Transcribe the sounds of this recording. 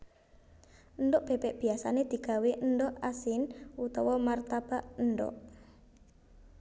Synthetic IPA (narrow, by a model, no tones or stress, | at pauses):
ʔənd̪ɔʔb̥epɛʔb̥iasaned̪̥i̤ɡ̥a̤weʔəndɔʔasɪnut̪ɔwɔmart̪ab̥aʔndɔ̰ʔ